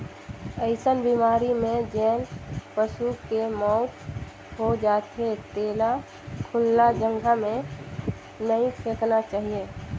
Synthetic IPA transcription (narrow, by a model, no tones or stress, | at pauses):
əɪsənbiːmaːɾimẽd͡ʒɛːnpəsukemɔʊt̪ | ɦod͡ʒaːt̪ɦet̪eːla | kʰʊlnad͡ʒə̃ŋɡʱamẽ | nəĩpʰeːknat͡ʃaːɦieː